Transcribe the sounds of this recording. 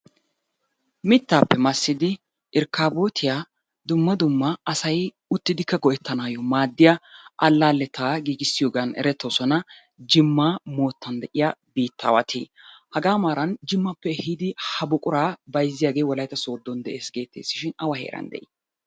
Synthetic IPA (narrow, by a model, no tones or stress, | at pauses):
mɪt̪ːaːpːɛmɐsːɪd̪ɪ | ʔɪɾkːaːboːt̪ʰɪja | d̪ʊmːɐd̪ʊmːɐɐsɐj | ʊt̪ːɪd̪ɪkːɐɡɔʔɛt̪ːɐnaːjɔmaːd̪ːɪjaʔɐlːaːlːɛt̪ʰaːɡiːɡɪsːɪjoːɡanɛ̰ɾɛt̪ːɔsɔnɐ | d͡ʒɪmːaːmo̞ːt̪ʰːɐnd̪ɛʔɪjabiːt̪ːa̰ːwɐ̰t̪ʰḭː | hɐɡaːmaːɾɐnd͡ʒɪmːɐpːɛhɪd̪ɪhɐbʊkʼʊɾaːbɐjzːɪjaːɡe̞ːwɔlɐjt̪ɐso̞ːd̪ːɔnd̪ɛʔe̞ːsɡe̞ːt̪ːḛːsːɪʃɪnɐwɐhḛːɾɐ̰nd̪ɛ̰ʔḭ